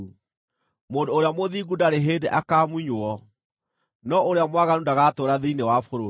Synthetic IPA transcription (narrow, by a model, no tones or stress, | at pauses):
moːndoːɾeamoðiɡundaɾeɦeːdeʔakamwiɲoɔ | nɔoɾeamwaɣanudaɣaːtoɾaðeinewafoɾo